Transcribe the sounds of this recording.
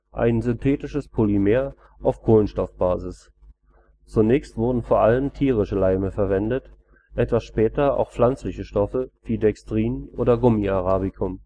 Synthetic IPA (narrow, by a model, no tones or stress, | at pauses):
ʔa̰ɪnzʏntʰɛːtɪʃəspʰolimeːɐ | ʔaʊfkʰoːlənʃtɔfb̥aːzɪs | t͡sunɛːçstv̥ʊɐdn̩foːɐʔaləmtʰiːʁɪʃəlaɪməfɛɐvɛndət | ʔɛtv̥asʃpɛːtɐa̰ʊxplant͡slɪçəʃtɔfəv̥iːdɛkstʁ̥iːnʔo̰ːdɐɡʊmiaʁaːbɪkʰʊm